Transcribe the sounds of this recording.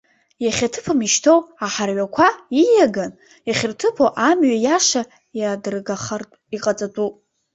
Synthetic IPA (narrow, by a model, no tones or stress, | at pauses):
jaχʲatʰɨpʰamiʃtʰowaħarʕʷakʷʰaijaɡan | jaχʲɪrtʰɨpʰowʔamɥajaʂa | jadrɡaχr | iqʼat͡sʼatʷʼupʼ